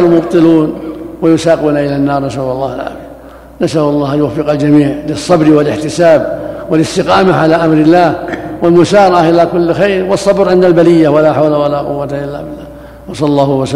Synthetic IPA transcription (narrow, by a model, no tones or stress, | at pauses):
lʊmʊbt̪ˤɨluːnwajʊsaːquːnaʔɪlanːɑːɾˤnasawɑlˤːɑːhalʕa̰bid̪ | nasʔawɑlˤːɑːhanjwafːɪqald͡ʒamiːʕlɪsˤːɑbɾwɪlɪħt̪ɪsaːbwɪlɪst̪ɪqɑːmaʕalaʔamɾɪlːaːhwɪlmʊsɑːɾˤɑʕahʔɪlaːkʊlːxajɾwɑsˤːɑbɾʔɪnːalbalɪjːawalaħawlawalaqʊ̰wːat̪aʔɪlːa̰bɪlːaːh | wɑsˤɑlɑlˤːɑːhʊwas